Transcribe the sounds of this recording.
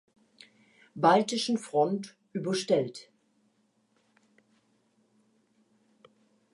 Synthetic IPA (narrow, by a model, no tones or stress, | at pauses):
baltɪʃn̩fʁ̥ɔnt | ʔyːbɐʃtɛlt